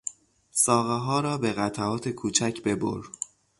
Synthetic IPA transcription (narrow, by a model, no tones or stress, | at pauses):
sɒːɣeɦɒːɾɒːbe̞ɣæt̪ʰæɒːt̪ʰe̞kʰuːt͡ʃʰæcʰbe̞bo̰ɾ